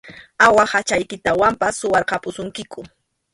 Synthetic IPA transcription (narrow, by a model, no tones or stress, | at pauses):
awahat͡ʃajkɪt̪awampasːʊwɑɾqɑpʊsʊŋkɪkʊ